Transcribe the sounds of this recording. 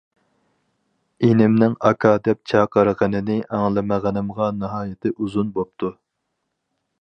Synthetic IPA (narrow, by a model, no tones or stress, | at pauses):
enɪmnɪŋɑkʰɑːd̪ɛp̚t͡ʃʰɑqəɾʁənɪnɪʔæŋlˠɨməʁænɨmʁɑnɨɦɑːjɪt̪ʰɪʔuzunbop̚t̪ʰu